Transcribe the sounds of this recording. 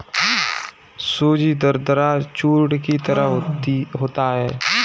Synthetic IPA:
soːd͡ʒid̪əɾd̪əɾat͡ʃuːʈkit̪əɾəɦɦɦoːt̪aɦɛː

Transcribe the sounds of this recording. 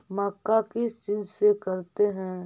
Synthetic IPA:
mɐkːakɪst͡ʃiːzsekɐɾt̪eɦɛ̃ː

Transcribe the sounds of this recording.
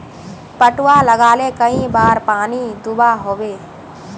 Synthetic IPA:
pəʈʊwaləɡaːlekəĩbaːɾpaːnid̪ubaɦoːʋeː

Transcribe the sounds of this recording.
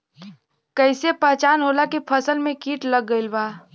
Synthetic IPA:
kəɪsepɛɦt͡ʃaːnɦoːlakipʰəsəlmẽkiːʈləɡːəɪlbaː

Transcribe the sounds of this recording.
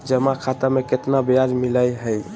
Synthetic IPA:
d͡ʒəmakʰat̪ameket̪nabejad͡ʒmiləjɦəj

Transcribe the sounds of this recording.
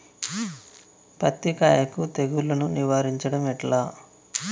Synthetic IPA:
pɐt̪ːika̰ːjɐkut̪eɡulːɐnuniʋaːɾiɲt͡ʃɐɽɐmɛʈlaː

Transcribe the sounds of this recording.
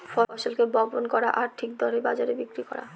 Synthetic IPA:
fɔɔʃalkebɔbonkɔɾaʔaɾʈʰik̚d̪ʱɔɾebad͡ʑaɾebikɾikɔ̰ɾa̰

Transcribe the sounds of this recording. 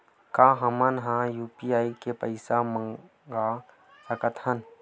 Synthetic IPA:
kãːɦɐmənɦãjuːpiaːikepəɪsamə̃ | ɡa | səkət̪ʰhən

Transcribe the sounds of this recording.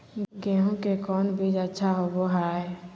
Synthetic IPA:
ɡɛ̃ːɦõkekɔːnbʱid͡ʒətːʃʰaɦoboɦaːɦɛ

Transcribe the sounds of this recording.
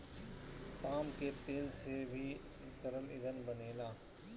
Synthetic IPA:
paːmket̪eːlsebʱi | kəɾəlɪd̪ənbəneːlaː

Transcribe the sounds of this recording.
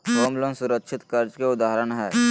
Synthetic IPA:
kɔːmlõnsʊɾəkʃʰɪt̪kɐɾd͡ʒkeʊd̪aːɦɾənɦɛː

